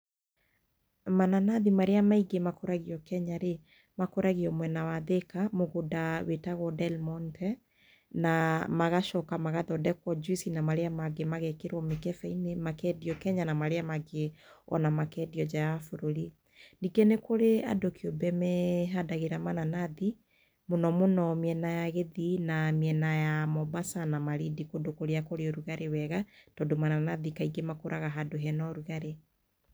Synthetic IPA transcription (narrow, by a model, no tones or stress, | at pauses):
mananaðimaɾeamaiɡemakoɾaɣiɔkɛɲaɾe | makoɾaɣiɔmwɛnawaðekamoɣodawetaɣwɔdɛlmɔntɛ | namaɣaʃɔkamaɣaðɔdɛkwɔd͡ʒuisinamaɾeamaɡemaɣɛkeɾwɔmekɛfɛinemakɛdiɔkɛɲanamaɾeamaɡeɔ̰namakɛdiɔd͡ʒaafoɾoɾi | niɡɛnekoɾea̰dokeobɛmɛɦadaɣeɾamananaði | monɔmonɔmiɛnajaɣeðinamiɛnajamɔbasanamaɾidikodokoɾeakoɾeɔɾuɣaɾewɛɣatɔdomananaðikaiɡemakoɾʔaɣaɦadoɦɛnɔɾuɣaɾe